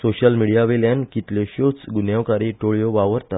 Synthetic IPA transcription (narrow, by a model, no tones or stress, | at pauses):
soɕəlmiɽijaʋeljankit̪leɕot͡sɡunjaʋkaɾiʈoɭjoʋaʋəɾt̪at̪